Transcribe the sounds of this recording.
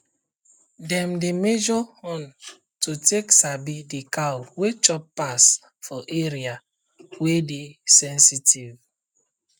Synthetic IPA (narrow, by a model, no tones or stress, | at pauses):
dɛ̃mdemed͡ʒɔhɔ̃n | tuteksabidikawwet͡ʃɔpːas | fɔʔeɹia | wedesɛ̃nsitiv